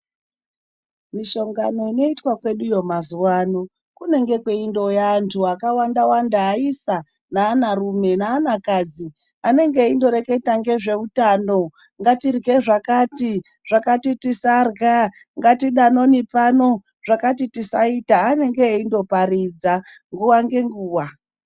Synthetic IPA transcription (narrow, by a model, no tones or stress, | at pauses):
miʃo̞ŋɡano̞ino̞itwakwe̞ɗujo̞mazuwaːno̞ | kune̞ŋɡe̞kweindo̞jantʰuakawandawandaːisa | naːnarume̞naːnakad͡zi | ane̞ŋɡeindo̞ɾe̞ke̞taŋɡe̞ʐe̞utaːno̞ | ŋɡatirɡe̞ʐakati | ʐ̥akatitisarɡa | ŋɡatiɗano̞nipano̞ | ʐ̥akatitisaitaːne̞ŋɡeindo̞parid͡za | ŋɡuwaŋɡe̞ŋɡuːwa